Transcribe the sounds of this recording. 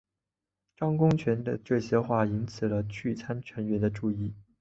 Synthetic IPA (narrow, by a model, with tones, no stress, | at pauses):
ʈ͡ʂɑ˥ŋkʊ˥ŋt͡ɕʰɥɛ˧˥nd̪ə̰˧ʈ͡ʂɤ˥˩ɕjɛ˥xwa˥˩i˥nt͡sʰɹ̩˨˩lə˦t͡ɕʰy˥˩t͡sʰa˥nt͡ɕʰɥɛ˧˥nɥɛ˧˥nd̪ə˧ʈ͡ʂu˥˧i˥˩